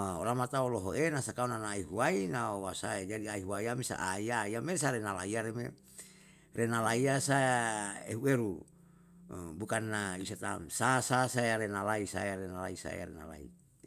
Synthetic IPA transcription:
olamat̪aoloɦoʔenasakaonanaːiɦuainaowasaed͡ʒadiaiɦuaiamisa̰ʔaiaiamesaɾenalaiaɾemḛ | renalaiasaeɦueɾu | bukanːaisat̪a̰nsasasajaɾenalaisa̰jaɾenalaisa̰j̰a̰ɾḛna̰la̰ḭ

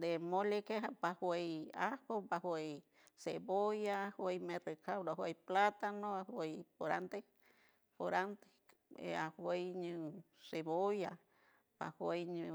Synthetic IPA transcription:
d̪emolekeɦapahwejahopahwej | sebojahwejmẽrekʰawɾoaɦwejplat̪anõahwejpoɾa̰nt̪e | poɾant̪e̥ | ḛahwejɲɨ̃ | seβoja | pa̰hwejɲũ

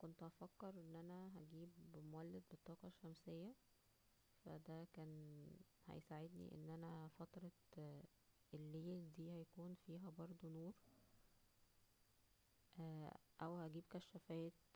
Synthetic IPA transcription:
kont̪ʔɑfækːeɾʔenːʔænæɦæɡiːbmoælːed̪̚bet̪ˤːɑːqɑʃːæmsejːæ | fæ̰d̪ækæːnhæ̰jsaʕed̪nḭʔḛnːʔænæfɑt̪ɾˤɑ | ʔelːiːd̪iːhæjækuːnfiːɦæbɑɾˤd̪ˤonoːɾ | ʔæʔæwhæɡiːbkæʃːæfæːt̪

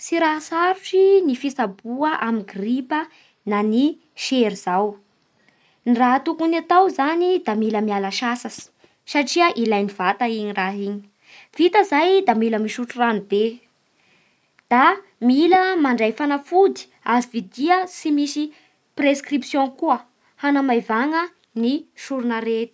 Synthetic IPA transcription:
siɾaɦsaɾuʈ͡ʂinifisabuəʔamiɡripə | nani | ʃeɾizaw | nrat̪ukunat̪awzanid̪amiləmialəʃasasi̥ | saʈ͡ʂiəʔilajnivat̪aiɲiraɦiɲi̥ | v̥it̪əzajd̪amiləmiʃuʈ͡ʂuranib̪e | d̪̥a | miləmaɳɖ͡ʐajfanafud̪i̥ | azivid̪iəsimisi | preskripsjõkuə | hanamajvaŋə | niʃuɾunəɾet̪i̥

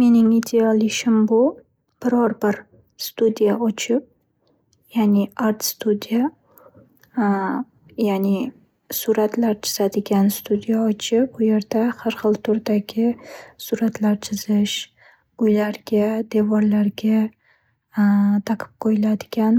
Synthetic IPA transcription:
me̞nɪŋid̪eɒlˠɪʃɪmbʊ | b̥ɪɾɒɾbɪɾ | st̪ud̪ijaɒt͡ʃʰɪp̚ | janɪaɾt̪st̪ud̪ija | janɪ | suɾat̪laɾt͡ʃʰɪ̥z̥ad̪ɪɡʲanst̪ʰud̪ijaɒt͡ʃʰɪp̚ʊje̞ɾd̪ahaɾχɨlˠt̪ʰʊɾd̪aɡʲɪsuɾat̪laɾt͡ʃʰɪzɪʃ | ʊjlaɾɡʲad̪e̞vɒɾlaɾɡʲa | t̪ʰaqʰɨ̥p̚qʰojɪlad̪ɪɡʲan

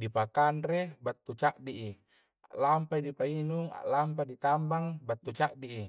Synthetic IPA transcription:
dipakanɾebat̪ːut͡ʃaʔdiʔi | a̰ʔlampaidipainuŋa̰ʔlamp̬adit̪ambaŋbat̪ːut͡ʃaʔdiʔi

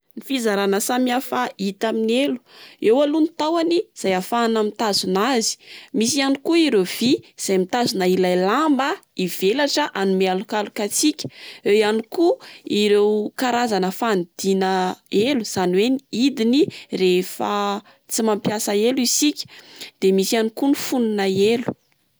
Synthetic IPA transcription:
nifizaɾanəsamiafait̪aminelu̥ewalunit̪awaniz̥ajafanamit̪azunazi̥misianikuiɾewv̥iz̥ajmit̪azunailajlambəiv̥elaʈ͡ʂəʔanumealukalukat͡sikʲə̥ewjanikuiɾewkaɾazanəfand̪̥inəeluz̥anweniid̪inirefə | t͡simampjasaeluisikʲə̥d̪̥emisianikunifununaelu̥

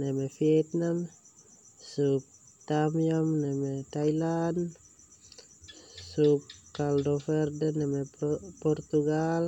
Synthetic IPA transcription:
nemefiet̪nam | sup̚t̪amiamnemet̪ajlan | sup̚kaldoferdenemeport̪uɡal

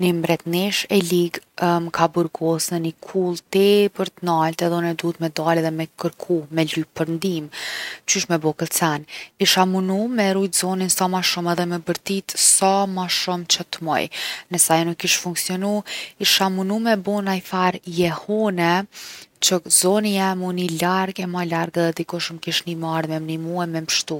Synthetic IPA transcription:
nimbɾɛt̪niʃɛliɡmkabuɾɡɔsnənikʰulˠt̪ɛpəɾt̪ənalt̪ɛðɔnɛd̪uət̪mɛd̪alɛðɛmɛkəɾkʰumɛlypəɾnd̪imt͡ʃyʃmɛbɔkəlt͡sɛniʃamunumɛɾujt̪zɔninsamaʃumɛðɛmɛbəɾt̪it̪samaʃumt͡ʃət̪mɔ̰jnəsajɔnukːiʃt̪fuŋksiɔnuiʃamunumɛbɔnaifaɾjɛhɔnɛt͡ʃəzɔnijɛmunilaɾɡɛmɔjlaɾɡɛðɛd̪ikuʃəmkiʃnimaɾmɛmnimuɛmɛməʃt̪u

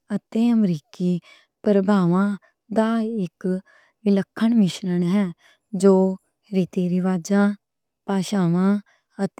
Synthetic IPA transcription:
ət̪eːəmɾiːkiː | pəɾəbʱaːʋãː | d̪aːɪk | ʋɪləkʰːəɳmɪʃɾəɳɦɛː | d͡ʒoː | ɾiːt̪iːɾɪʋaːd͡ʒãː | paːʃaːʋãː | ət̪

